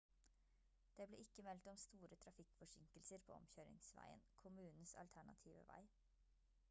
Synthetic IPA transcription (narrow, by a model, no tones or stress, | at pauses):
d̪̥eːblḛːɪkːəmɛlt̪ɔmst̪uːɾət̪ʰɾɑfɪkfɔʂɪŋkəlsəɾpʰo̰ːɔ̰mçøːɾɪ̰ŋsʋæ̰ɪə̰nkʰʊmʉːnn̩sɑ̰lt̪ʰæɳɑ̰t̪ʰiːʋə̰ʋæ̰ɪ